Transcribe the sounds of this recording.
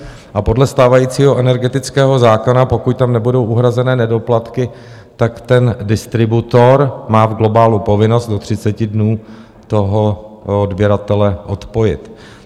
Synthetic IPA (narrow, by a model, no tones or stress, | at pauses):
ʔapo̞dlɛst̪aːvajiːt͡siːɦo̞ʔɛnɛɾɡɛt̪ɪt͡skɛːɦo̞zaːkonapo̞kuct̪amnɛbudo̞wʔuɦɾazɛnɛːnɛdo̞plat̪kɪ | t̪akt̪ɛndɪst̪ɾɪbut̪o̞ɾmaːvɡlo̞baːlupo̞vɪno̞st̪̚do̞t̪r̝̥ɪt͡sɛcɪdnuː | t̪o̞ɦo̞odbjɛɾat̪ɛlɛʔo̞t̪po̞jɪ̰t̪